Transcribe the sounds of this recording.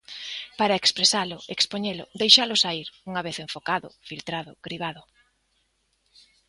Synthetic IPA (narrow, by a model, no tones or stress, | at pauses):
paɾaekspɾesalʊekspoɲelʊ̰d̪ejʃalʊsaiɾuŋaβeθeɱfokaðʊ̰filt̪ɾaðʊ̰ɡ̥ɾiβaðʊ